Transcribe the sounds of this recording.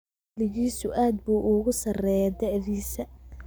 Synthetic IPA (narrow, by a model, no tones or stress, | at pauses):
lɪɣiːsʊʔaːd̪̚buːʔʊɣʊsɐrɛjɛd̪ɐʕðiːsɐ